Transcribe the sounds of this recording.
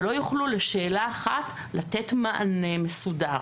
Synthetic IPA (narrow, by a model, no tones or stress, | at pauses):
lo̞juχluleʃe̞ːlaːχat | latetmaʔane̞me̞sudaʁ